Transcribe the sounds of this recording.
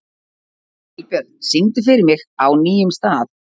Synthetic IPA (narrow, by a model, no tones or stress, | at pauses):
ɪk̚pjɛɾt̪siŋt̪ʏfɪɾɪɾmɪɣawniːjʏmst̪aːθ